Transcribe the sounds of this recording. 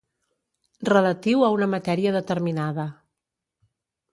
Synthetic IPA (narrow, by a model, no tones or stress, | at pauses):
rələt̪iwəunəmət̪ɛɾiəðət̪əɾminaðə